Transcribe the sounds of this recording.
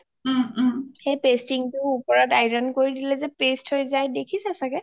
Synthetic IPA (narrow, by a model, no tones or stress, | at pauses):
xejpestiŋtʊːpɔɹadajɹɔnkoɹidilɛzɛpesthojzajdekʰisɛasakɛ